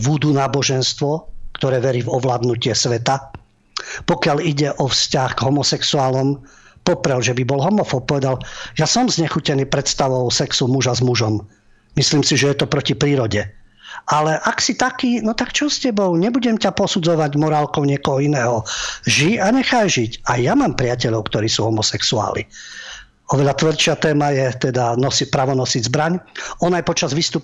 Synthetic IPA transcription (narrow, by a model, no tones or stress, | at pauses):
ʋud̪unaːbɔʒɛnst̪ʋɔkt̪ɔɾɛːʋɛɾivɔʋlaːd̪nucɪɛsʋɛt̪a | pɔkɪaliɟɛʔɔfscaɣɡɦɔmɔsɛksuaːlɔm | pɔpɾɛlʒɛbibɔlɦɔmɔfɔp̚pɔʋɛd̪aljasɔmzɲɛxucɛniːpɾɛt̪st̪aʋɔʊsɛksumuʒazmuʒɔm | misliːmsiʒɛjɛt̪ɔpɾɔcipɾiːɾɔɟɛ | alɛʔaksit̪akiːnɔt̪akt͡ʃɔscɛbɔʊɲɛbuɟɛmcapɔsud͡zɔʋaɟmɔɾaːlkɔʊɲɪɛkɔɦɔinɛːɦɔʒiaɲɛxajʒiɟajjamaːmpɾɪacɛʎɔʊkt̪ɔɾiːsuɦɔmɔsɛksua̰ːlḭ | ɔʋɛʎat̪ʋr̩ʃɪat̪ɛːmajɛt̪ɛd̪anɔsipɾaːʋɔnɔsiɟzbɾaɲɔnajpɔt͡ʃazʋiːst̪up